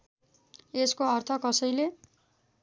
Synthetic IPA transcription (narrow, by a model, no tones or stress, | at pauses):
eskoʌrt̪ʰʌkʌsʌjle